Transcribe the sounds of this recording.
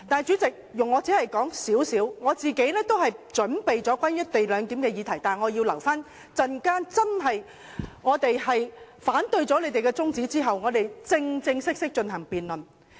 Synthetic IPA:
t̪aː˨jt͡ʃyː˨˥t͡sɪ˨k̚jʊ˨ŋːɔ˨˧t͡sɛ˨˥hɐ˨jkɔː˨˥ŋsiː˨˥wsiː˨˥wŋɔː˨˧t͡siː˨ke˨˥jnɛː˥t̪o˥wɦɐ˨jt͡ʃɵ˨˥npe˨jt͡sɔː˨˥kʷaː˥njɐ˥t̚t̪e˨jlœː˨˧ŋt̪iː˨˥mkɛː˧jiː˨˧t̪ʰɐ˨˩jt̪aː˨˩nŋɔː˨˧jiː˧wlɐ˨˩wfaː˥n | t͡sɐ˧nkaː˥nt͡sɐ˥nɦɐ˨j | ŋɔː˨˧t̪e˨jɦɐ˨jfaː˨˥nt̪ɵ˧ɥt͡sɔː˨˥le˨˧jt̪e˨jkɛː˧t͡sʊ˥ŋt͡siː˨˥t͡siː˥ɦɐ˨wŋɔː˨˧t̪e˨jt͡sɪ˧ŋt͡sɪ˧ŋsɪ˥k̚sɪ˥k̚t͡ʃɵ˧nɦɐ˨˩ŋpiː˨nlɵ˨˩n

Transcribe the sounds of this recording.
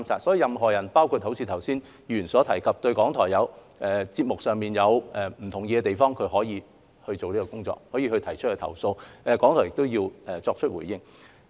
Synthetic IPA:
msʰaː˨˧t̚sɔː˨˥ji˨˧jɐ˨mɦɔː˨˩jɐ˨˩npaː˥wkʰuː˨˧t̚ho˨˥wt͡sʰiː˨t̪ʰɐ˨˩wsiː˥n | jyː˨˩nsɔː˨˥t̪ʰɐ˨˩jkʰɐ˨p̚t̪ɵ˧ɥkɔː˨˥ŋt̪ʰɔː˨˩jɐ˨˧w | ɛ˨˩t͡siː˧p̚mʊ˨k̚sœː˨ŋmiː˨njɐ˨˧wɛː˨˩m̩˨˩t̪ʰʊ˨˩ŋjɛː˨˧ɛ˧t̪e˨˩jfɔː˥ŋkʰɵ˨˧ɥhɔː˨˥jiː˨˧ | hɵ˧ɥt͡so˨wliː˥kɔː˧kʊ˥ŋt͡sɔ̰ː˧˥k̚hɔː˨˥jiː˧hɵ˧t̪ʰɐ˨˩jt͡ʃʰɵ˥tkːɛ˧t̪ʰɐ̰˨˩wso˧wɛ˨˧kɔː˨˥ŋt̪ɔ˨˩jɪ˨k̚t̪o˥wjiː˧wɛ˨t͡sɔː˧k̚t͡ʃʰt̚wṵː˨˩jjɪ˥ŋ

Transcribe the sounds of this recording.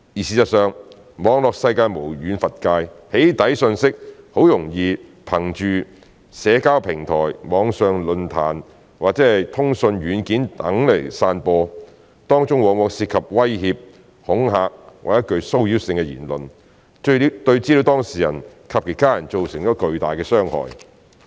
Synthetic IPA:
jiː˨˩siː˨˩t͡sɐ˨t̚sœː˨ŋ | mɔː˨˧ŋlɔː˨k̚sɐ˧jkaː˧jmo˨˩wjyː˨˥nfɐ˨t̚kaː˧jhe˨˥jt̪ɐ˨˥jsɵ˧nsɪ˥k̚ho˨˥wjʊ˨˩ŋjiː˧pʰɐ˨˩ŋt͡ʃyː˨ | sɛː˨˥kaː˥wpʰɪ˨˩ŋt̪ʰɔː˨˩jmɔː˨˧ŋsœː˨ŋlɵ˨˧nt̪ʰa̰ː˨˩n | waː˨k̚t͡sɛː˨˥hɐ˨jt̪ʰʊ˥ŋsɵ˧nɥyː˨˥nkiː˨˥nt̪ɐ˨˥ŋle˨˩jsaː˧npɔː˧ | t̪ɔː˥ŋt͡ʃʊ˥ŋwɔː˨˧ŋwɔː˨˧ŋsiː˧t̚kʰɐ˨p̚wɐ˥jhiː˧p̚ | hʊ˨˥ŋɦaː˧k̚wa̰ː˨˩jɐ˥t̚kɵ˧ɥso˥wjiː˨˥wsɪ˧ŋkɛ˧jḭː˨˩nlɵ˨n | tɵ˧i˨˥t̪ɵ˧ɥt͡si˥li˨˧wt̪ɔː˥ŋsiː˨˩jɐ̰˨˩nkʰɐ˨˧p̚kʰiː˨˩kaː˥jɐ˨˩nt͡so˨wsɪ˨˩ŋt͡ʃɔː˨˥kɵ˧ɥt̪aː˨˩jkɛː˧sœː˥ŋhɔ̰ː˨˩j

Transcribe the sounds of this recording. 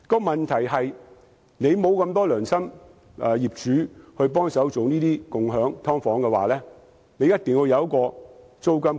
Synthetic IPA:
kɔː˧mɐ˨nt̪ʰɐ˨˩jɦɐ˨j | ne˨˧jmo˨˧wkɐ˧mt̪ɔː˥lœː˨˩ŋsɐ˥m | ʔɛː˨jiː˨p̚t͡ʃyː˨˥hɵ˧ɥp̬ɔː˥ŋsɐ˨˥wt͡so˨wniː˥t̪iː˥kʊ˨ŋɦœː˨˥ŋt̪ʰɔː˥ŋfɔː˨˥ŋkɛ˧waː˨˩lɛː˥ | ne˨˧jɐ˥t̪̚ɪ˨ŋwu˨˧jɐ˨˧wkɔː˧ | t͡so˥wkɐ˥m

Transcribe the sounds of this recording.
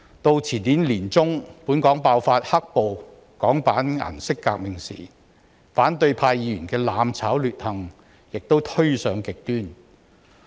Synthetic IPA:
t̪o˧wt͡sʰiː˨˩nniː˨˥nliː˨˩nt͡sʊ˥ŋpuː˨˥nkɔː˨˥ŋpaː˧wfaː˧t̚hɐ˥k̚po˨˧w | kɔː˨˥ŋpaː˨˥na̰˨˩nsɪ˥kːaː˧k̚mɪ˨˩ŋsḭː˨˩ | faː˨˥nt̪ɵ˧ɥpʰaː˧jiː˧˥jy˨˩nkɛː˧laː˨˧mt͡sʰaː˨˥wlyː˨t̚hɐ˨˧ŋ | jɪ˨k̚t̪o˥wt̪ʰɵ˥ɥsœː˨˥ŋkɪ˨k̚t̪yː˥n

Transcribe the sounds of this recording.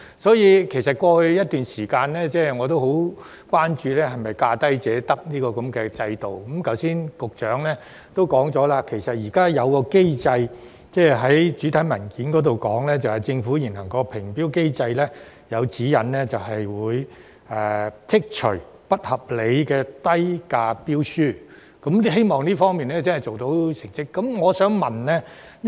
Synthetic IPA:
sɔː˨˥jiː˨˧kʰe˨˩sɐ˨t̚kʷɔː˧hɵ˧ɥjɐ˥t̚t̪yː˨nsiː˨˩kaː˧nlɛː˥t͡sɛː˥˩ŋɔː˨˧t̪̬o˥who˨˥w | kʷwaː˥nt͡ʃyː˧lɛː˥ɦɐ˨jmɐ˨jkaː˧t̪ɐ˥jt͡sɛː˨˥t̪ɐ˥k̚niː˥kɔː˧kɐ˨˥mkɛː˧t͡sɐ˧jt̪o˨wkɔ˨˦mkɐ˨˥wsiː˥˩nkʊ˨k̚t͡ʃœː˨˥ŋlɛː˥ | t̪o˥wkɔː˨˥ŋt͡sɔː˨˥laː˧kʰe˨˩jsɐ˨t̚jiː˨˩kaː˥jɐ˨˧wkɔː˧ke˥jt͡sɐ˧j | t͡sɛː˥˩ɦɐ˨˥jt͡ʃyː˨˥t̪ʰɐ˨˥jmɐ˨˩nkiː˨˥nkɔː˨˥t̪o˨wkɔː˨˥ŋlɛː˥t͡sɐ˨whɐ˨jt͡sɪ˧ŋfuː˨˥jiː˨˩nlɐ˨˩ŋkɔː˧pʰɪ˨˩ŋpiː˥wke˥jt͡sɐ˧jlɛː˥ | jɐ˨˧wt͡siː˨˥jɐ˨nlɛː˥t͡sɐ˨wɦɐ˨jwuː˨˧j | ɛː˨˩t̪ʰɪ˥k̚t͡ʃʰɵ˨˩ | pɐ˥t̚hɐ˨˩p̚le˨˧jkɛː˧t̪ɐ˥jkaː˧piː˥wsyː˥ | kɐ˨˦˥mlhe˥jmɔː˨ŋliː˥fɔː˥ŋmiː˨nlɛː˥t͡sɐ˥nhɐ˨˩jt͡ʃo˨wt̪o˨˥wt͡sʰɪ˨˩ŋsɪ˥kːɐ˨˦mŋɔː˨˧sœː˨˥ŋmɐ˨˩nlɛː˥

